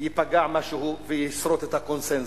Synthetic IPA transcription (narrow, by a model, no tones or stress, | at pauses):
jipaɡaʕmaʃuɦuvejisɾot̪et̪akonsen